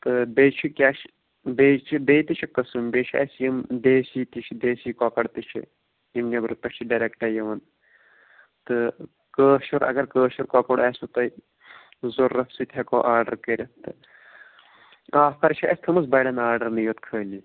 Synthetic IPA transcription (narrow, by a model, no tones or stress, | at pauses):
t̪ɨbeːt͡ʃʰikʲaːʃ | beːt͡ʃʰibeːt̪it͡ʃʰɐkɐsɨmbeʃʰiʔɐsjɐmd̪eːsiːt̪it͡ʃʰid̪eːsiːkɔːkɐɽt̪ɨt͡ʃʰḭ | imnʲɐbɾpɐt͡ʃʰiɖɐɾekʈɐjɐʋɐn | t̪ɨ | kəːʃuɾɐ̰ɡɐɾkəːʃuɾkɔːkoɽɐːsut̪ɐ | zoɾːɐfsit̪ʲʰɐkoʔaːɾɖɐɾkɐɾʲɐt̪ɨ | aːfkɐɾt͡ʃʰɐʔɐ̰sʲt̪ʰɐmɐsbɐjɖɐnaːɾɖɐɾnɨjoːt̪kʰəːli